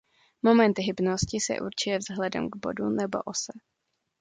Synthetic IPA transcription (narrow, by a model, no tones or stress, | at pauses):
mo̞mɛnt̪ɦɪbnoscɪsɛ̰ʔuɾt͡ʃɪjɛvzɦlɛdɛ̰mɡbo̞̰dunɛbo̞̰ʔosɛ